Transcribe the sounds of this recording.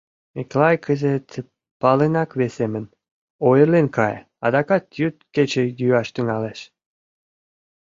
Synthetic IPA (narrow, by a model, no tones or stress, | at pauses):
eklɑjkʰəzet̪ | pɑlenɑkβesemən | ojəlenkɑ̰j | ɑ̰d̪ɑkɑt̪̚jyt̪̚ket͡ɕĕjyɑʃt̪əŋɑleʃ